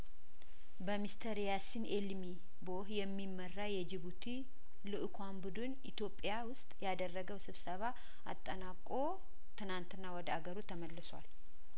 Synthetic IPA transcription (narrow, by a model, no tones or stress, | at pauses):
bəmist̪ʰəɾjasinelmi | bohjɛmːimːərːajɛd͡ʒɪβut̪ʰi | lɨʔkʰʷanbud̪ɨnʔit̪jo̞pʼːjawʊst̪ʼjad̪ərːəɡəwsɨβsəβa | a̰t̪ʼːənakʼːo̞ | t̪ʰɨnant̪ɨnːawɔd̪əaɡəɾut̪ʰəməlːɨswa̰l